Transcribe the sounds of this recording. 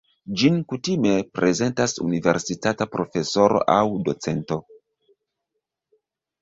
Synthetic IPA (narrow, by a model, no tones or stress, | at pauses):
d͡ʒinkutime̞pɾʔe̞ze̞ntasṵnive̞̰ɾsitatapɾo̞fe̞so̞ɾo̞̰ʔawdo̞t͡se̞nto̞